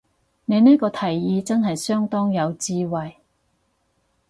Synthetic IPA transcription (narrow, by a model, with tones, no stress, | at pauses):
ne˨˧jniː˥kɔː˧t̪ʰɐ˨˩jːiː˨˧t͡sɐ˥nɦɐ˨jsœː˥ŋt̪ɔː˥ŋjɐ˨˧wt͡siː˧wɐ˨j